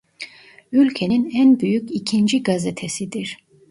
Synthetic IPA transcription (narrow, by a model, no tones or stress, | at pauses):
ylʲcʰeninænbyjycicʰind͡ʒiɡazɛt̪ʰesid̪iɾ̥